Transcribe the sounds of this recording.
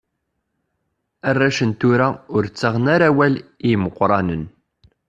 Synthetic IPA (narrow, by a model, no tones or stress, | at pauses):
ærːæʃənt̪ʊɾaʊɾt͡sːaʁnaɾæwæliməqʷːɾˤɑnən